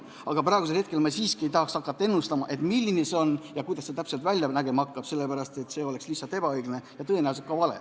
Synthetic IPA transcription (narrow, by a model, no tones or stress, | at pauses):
ɑɡ̥ɑprɑˑeɡus̬elhe̞t̪ke̞lmɑsiːskiejt̪ɑɦɑksɑkːˑɑt̪ːɑenːust̪ɑmɑʔe̞t̪ˑmilʲːinese̞o̞njɑkujd̪ɑsːet̪æpse̞lt̪vælʲjɑnæɡe̞mɑɑkːˑɑb̥se̞lːepæɾɑst̪e̞t̪ːse̞ːo̞le̞kslisːɑlt̪e̞b̥ɑɤjɡ̥lnejɑt̪ɤenæws̬et̪kɑvɑlḛ